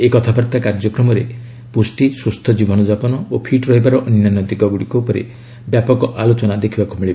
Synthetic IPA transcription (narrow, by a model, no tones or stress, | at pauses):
ekɔt̪ʰabaɾt̪akaɾd͡ʒɔkɾɔmɔɾe | pusʈisust̪ʰɔd͡ʒibʱɔnɔd͡ʒapɔnɔopʰiʈɾɔɦibaɾɔʔɔnnanːɔd̪iɡɔɡuɽikɔpɔɾḛ | bjapɔkɔʔalot͡ʃɔnad̪ekʰibakumiɭib